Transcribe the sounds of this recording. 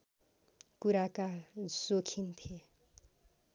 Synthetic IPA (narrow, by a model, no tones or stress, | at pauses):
kuɾakad͡zokʰint̪ʰie